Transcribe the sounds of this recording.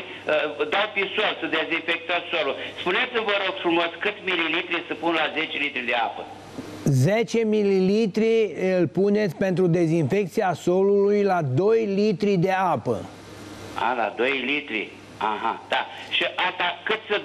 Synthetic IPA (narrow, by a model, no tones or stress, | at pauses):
əd̪awpisolsɨd̪ezinfek̚t̪at̪soluspunet̪sʲimvəɾoɡ̥fɾumo̞skɨt̪sʲmililit̪ɾisəpunlaze̞t͡ʃelit̪ɾid̪eapə | zet͡ʃe̞mililit̪ɾiɨlpune̞t̪sʲpe̞nt̪ɾud̪e̞zinfe̞k̚t̪siaso̞lulujlad̪o̞jlit̪ɾid̪e̞apə̰ | a̰la̰d̪ojlit̪ɾḭ | a̰ɦa̰d̪̥aʃiʔat̪akɨt̪ʲsə